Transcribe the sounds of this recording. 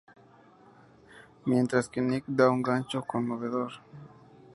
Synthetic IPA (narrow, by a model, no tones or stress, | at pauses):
mjent̪ɾaskenikd̪auŋɡant͡ʃokonmoβeðoɾ